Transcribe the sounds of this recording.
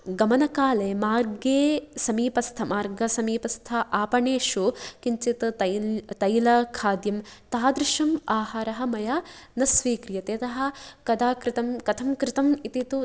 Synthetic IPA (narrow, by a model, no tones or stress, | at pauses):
ɡɐmɐnɐkaːleːmaːɾɡeːsɐmiːpɐst̪ʰɐmaːɾɡɐsɐmiːpɐst̪ʰɐʔaːpɐɳeːʃukiɲt͡ʃit̪ɐt̪ɐjlɐkʰaːd̪jɐmt̪aːd̪ɾɪʃɐmaːɦaːɾɐɦɐmɐjaːnɐsʋiːkɾijɐt̪et̪ɐɦɐ̆kɐd̪aːkɾɪt̪ɐmkɐt̪ʰɐmkɾɪt̪ɐmit̪it̪u